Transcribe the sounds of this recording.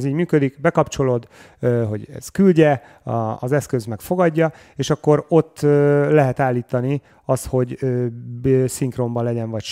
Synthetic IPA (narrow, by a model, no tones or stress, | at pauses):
ziːɟmyːkød̪ikbɛkɒpt͡ʃo̞loːd̪ | øɦo̞ɟɛ̰z̥kylɟɛ | ɒɒ̰zɛskøzmɛkfoɡɒɟːɒ | eːʃɒkːo̞ɾo̞t̪ːølɛɦɛt̪aːlːiːt̪ɒni | ɒst̪ho̞ɟø | siŋkro̞mbɒlɛɟɛɱvɒcʃ